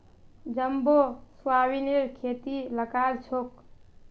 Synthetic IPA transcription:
d͡ʒəmboswaːwineɾkʰet̪iləkaɾt͡ʃʰok

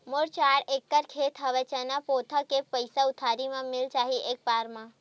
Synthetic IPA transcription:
moɽt͡ʃaɾekːəɾkʰet̪ʰɦəʋɛt͡ʃənapot̪ʰəkepəjsaʊt̪ʰaɾimãmɪlt͡ʃaɦiʔek̚paɾmã

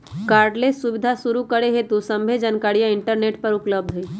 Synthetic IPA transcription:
kaːɾɖlesuʋɪd̪ʱasuɾukəɽeɦet̪usə̃mbʱed͡ʒənkaːɽijãɪɳʈəɾneːʈpəɾʊpləb̚d̪ʱɦe

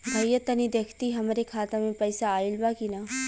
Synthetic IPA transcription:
bʱɐjːət̪ɐnid̪eːkʰt̪iɦɐmɾekʰaːt̪amẽpɐjsaːɪlbakinaː

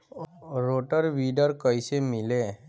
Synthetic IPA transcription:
ɾoːʈəɾʋiːɖəɾkəisemɪle

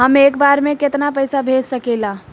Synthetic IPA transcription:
ɦəmeːkbaːɾmẽkɪt̪napəjsabʱeːd͡ʒsəkelã

